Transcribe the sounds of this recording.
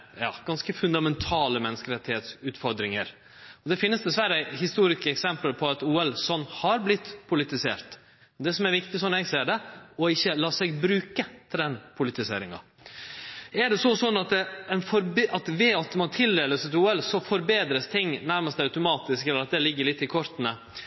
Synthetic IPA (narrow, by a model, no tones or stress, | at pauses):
jɑ̰ːɡ̥ɑnskəfʉnd̪ɑmɛnt̪ʰɑːləmɛnːəskəɾɛt̪ːɪheːt̪sʉːt̪fɔɾd̪ɾɪŋəɾ | ɔd̪ɛfɪnːəsd̪ɛsʋæɾəhɪst̪uːɾɪskəɛksɛmpləɾpʰɔɑt̪uːɛlsɔnːhɑɾblɪt̪ːpʰʊlɪt̪ɪsḛːɾt̪ | ɔd̪ɛsɔmæɾʋɪkt̪ɪsɔnːɛɡseːɖɛɔɪçːəlɑːsɛɡbɾʉːkət̪ʰɪld̪ɛnpʰʊlɪt̪ɪsḛːɾɪŋɑ̰ | æɖɛsɔsɔnːɑt̪ɛɛnfɔɾɑt̪ʋɛɑt̪mɑnt̪ʰɪld̪eːləsət̪uːɛlsɔfɔɾbeːd̪ɾəst̪ʰɪŋːnæɾməst̪ɛœʉt̪ʊmɑːt̪ɪskɛləɾɑt̪̚d̪ɛlɪɡːəɾɭɪt̪ːɪkʰɔɾt̪nə